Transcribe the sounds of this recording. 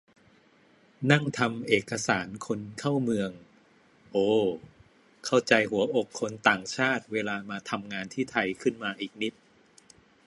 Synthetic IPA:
na˥˩ŋt̪ʰa˧mʔeː˨˩kːa˧saː˩˦nkʰo˧nkʰa˥˩wmɯ˧əŋ | ʔoː˧˩ | kʰa˥˩wt͡ɕa˧jhu˨˩˦ɐʔo˨˩kʰːo˧nt̪aː˨˩ŋt͡ɕʰaː˥˩t̪̚weː˧laː˧maː˧t̪ʰa˧mŋaː˧nt̪ʰiː˥˩t̪ʰa˧jkʰɯ˥˩nmaː˧ʔiː˨˩k̚ni˦˥t̪̚

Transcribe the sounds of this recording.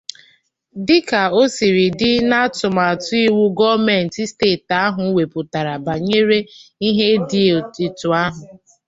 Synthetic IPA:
dɪ˦ka˨o˦si˨ɾi˨dɪ˦na˦tʊ˨ma˨tʊ˦i˦wu˦ɡɔ˦mɛ˨n̩˨ti˦steː˦˨ta˦ɦʊ˨˦we˨pʊ˨ta˨ɾa˨ba˨ɲe˦ɾe˦i˦ɦe˦di˦˨ti˨tʊ˨a˦ɦʊ˨

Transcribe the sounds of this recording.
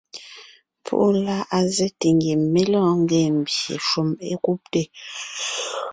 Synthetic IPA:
pʰṵ˦ʔu˦la˦ʔa˦zɛ˦te˨ŋɡe˨mːe˦lɔ̃ː˦˨ŋ˦ɡɛ˦˨m̩˨bjḛ˨ʃu˦mḛ˦ku˦p̚te˦˨

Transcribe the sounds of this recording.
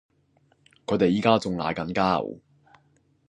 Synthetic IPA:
kʰɵ˨˧ɥt̪e˨jiː˨˥kaː˥t͡sʊ˨ŋla̰ː˨˥jkɐ˨nkaː˥˩w

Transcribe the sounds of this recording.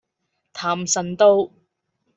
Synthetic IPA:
t̪ʰaː˨msɐ˨nt̪o˥w

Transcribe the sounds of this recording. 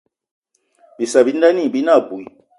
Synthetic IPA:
bi˨sa˨βi˦nda˦ni˦˨bi˦na˦˨bu˨i˨

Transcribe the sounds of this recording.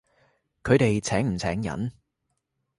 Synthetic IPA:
kʰɵ˨˧ɥt̪e˨jt͡sʰɛː˨˥ŋm̩˨˩t͡sʰɛː˨˥ŋjɐ̰˨˥n

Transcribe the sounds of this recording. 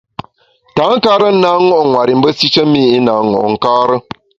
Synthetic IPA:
ta˨˦ŋ̩˦ka˦ɾə˦n̩˦na˦ŋɔ˦ʔŋwa˨ɾi˨m̩˦bə˦si˦t͡ʃə˦miː˦˨i˦na˨˦ŋɔ̰˨ʔŋ̩˨kaː˦ɾə˦

